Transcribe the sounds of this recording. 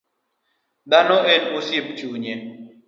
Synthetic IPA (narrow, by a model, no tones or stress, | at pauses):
d̪anɔʔenʊsip̚t͡ʃuɲe